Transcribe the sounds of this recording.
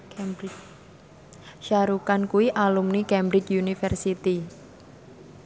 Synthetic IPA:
ʃaɾukankuwiʔalumnikɛmbɾɪt͡ʃunifɛrsit̪i

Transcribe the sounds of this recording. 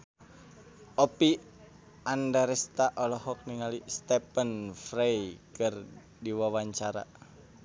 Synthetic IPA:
ʔɔpi | andaɾɛst̪aʔɔlɔhɔk̚niŋalist̪ɛpənfɾejkɨr | diwawaɲt͡ʃaɾa̰

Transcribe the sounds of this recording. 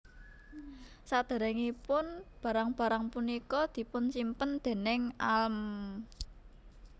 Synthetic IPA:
sad̪̥a̤ɾɛŋipʊnb̥ä̤ɾaŋb̥ä̤ɾaŋpunikɔd̪̥i̤pʊnsimpənd̪̥e̤nɪŋalm

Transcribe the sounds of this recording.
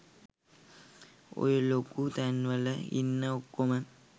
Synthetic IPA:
o̰ɾulokːut̪ɐnʋɐlɐḭnːɐokːumɐn

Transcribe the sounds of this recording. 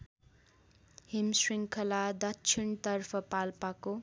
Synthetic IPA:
himsriŋkʰʌlad̪ʌt͡ʃʰint̪ʌrpʰʌpalpako

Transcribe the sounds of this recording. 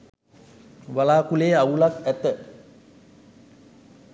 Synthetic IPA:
ʋalaːkuleːaulakæt̪ə

